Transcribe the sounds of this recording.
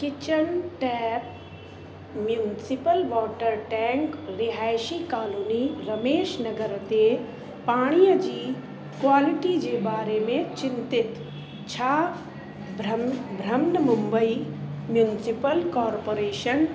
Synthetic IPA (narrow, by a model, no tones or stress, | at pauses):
kɪt͡ʃəɳʈɛːp̚ | mjuːnɪsɪpəlʋɔːʈəɾʈɛ̃ːŋkɾɪɦaːjʃikaːluːniɾɐmeːʃnɐɡəɾt̪e | paːɽ̃ijəd͡ʒiː | kwaːlɪʈid͡ʒebaːɾemẽt͡ʃɪ̃nt̪ɪt̪ | t͡ʃʰaː | bɾbʱɾəmnəmʊ̃mbəimjuːnɪsɪpəlkɔːɾpoːɾeːʃən